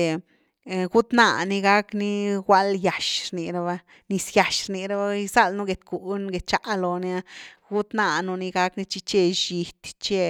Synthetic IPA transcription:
e˨ | ɡu˦t̪na̰˧˨ni˧ɡa˦kni˦wʷa˦lja˨ʃɾni˨ɾa˧ba˧ | ni˧sja˨ʃɾni˧ɾa˦ba˦i˧sa˦˧˨lnu˦ɡe˨t̪ku˨nɡe˨t̪̚t͡ʃa˨ʔlo˨ni˧˦a˧ɡu˦t̪na˧nu˧ni˧ɡa˦kni˦t͡ʃi˧t͡ʃe˧ʃi˧t̪t͡ʃe˧

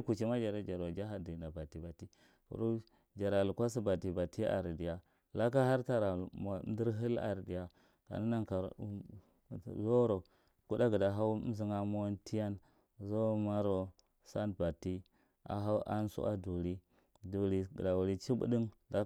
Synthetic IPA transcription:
ku˨t͡ʃi˦ma˦d͡ʒa˨ɾa˦d͡ʒa˨ɾa˨d͡ʒa˦ɦa˨di˨na˨ba˨ti˨ba˨ti˦ | ṵ˨ɾu˦ | d͡ʒa˨ɾa˨lu˨kʷa˦s̬i˦ba˨ti˨ba˨ti˦a̰˨ɾdi˨ja˨ | la˦ka˦ɦa˦ɾta˦ɾa˨ma˨˦n˦di˦ɾɦi˦la̰˨ɾdi˨ja˨ | ka̰˨ni˦na˦ŋka˨˦ | zo˦ɾo˨ | ku˦da˦ɡə˨da˨ɦa˦zi˦ŋa˦mo˦ntʰi˦ja˦n | zo˦ma˦ɾo˨ | sa˦nba˨tːi˦ | a̰˨ɦa˦ʔa˦n˦sṵ˦ʔa̰˦du˨ɾi˦ | du˨ɾi˨ɡda˨wu˨ɾi˦t͡ʃi˦bṵ˦di˦ŋda˦

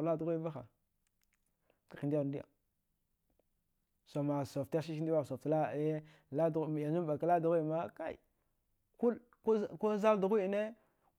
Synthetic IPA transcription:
la˦du˨ɣi˦va˦xa̰˨ | ka˨i˨di˦˨˦di˦a̰˨ | so˨ma˨so˨fta˦ʃ̬i˦ʃi˦n˦di˦wa˦˨so˨ftla˦˨˦ | la˦dja˨d͡ʒu˦mba˨ka˦la˦du˨ɣa˦i˦˨ma˦ka̰˦ḭ˨ | ku˦l | kko˦za˦ldu˨ɣu˦i˨ne˦

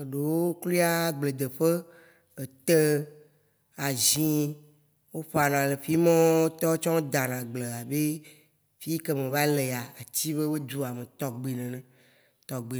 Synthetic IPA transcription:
e˨ɖe˨wo˦o˦kli˦a˦ɡ͡ble˨d̪e˨ɸe˦ | e˨t̪e˦ | a˨zĩ˦ | wo˦ɸa˨nã˨le˨fi˦mɔ̃˦wo˦t̪ɔ˦t͡ʃɔ̃˦o˦d̪a˨nã˨ɡ͡ble˨a˨be˦ | fi˦ke˦mẽ˨va˦le˨a˨a˨t͡ɕi˦βe˦be˦d̪u˦a˨mẽ˨t̪ɔ˨ɡ͡be˨nɛ̃˨nɛ̃˨ | t̪ɔ˨ɡ͡be˨

